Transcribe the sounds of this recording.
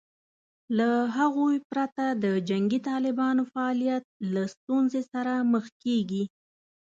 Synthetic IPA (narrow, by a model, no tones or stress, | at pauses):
laɦaɣojpɾat̪ad̪əd͡ʒaŋɡit̪ɑlɪbɑnofaːlijat̪̚last̪unzesaɾaməxkeɡi